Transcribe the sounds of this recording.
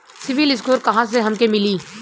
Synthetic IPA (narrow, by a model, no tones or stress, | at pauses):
sɪʋɪlɪs̬koːɾkɐɦãs̬eɦɐmkemɪliː